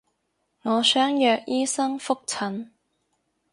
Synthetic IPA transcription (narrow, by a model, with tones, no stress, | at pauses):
ŋɔː˨˧sœː˥ŋjœː˨˧k̚jiː˥sɐ˥ŋfʊ˥k̚t͡sʰɐ˨˥n